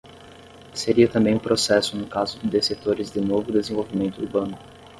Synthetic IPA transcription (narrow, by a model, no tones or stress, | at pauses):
seɾiɐt̪ɐ̃mbẽj̃ũpɾosɛsʊnʊkazʊd̪ɪd̪eset̪oɾɪzd̪ɪnovʊd̪ezẽvowvimẽnt̪ʊuɾbɐ̃nʊ